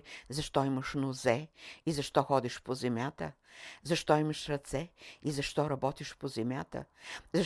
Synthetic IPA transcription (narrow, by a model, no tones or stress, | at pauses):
zɐʃt̪ɔimɐʃnʊzɛizɐʃt̪ɔxɔd̪iʃpozɛmʲjat̪ə | zɐʃt̪ɔimɐʃɾɐt̪sɛizɐʃt̪ɔɾɐbɔt̪iʃpozɛmʲjat̪ə̰zɐ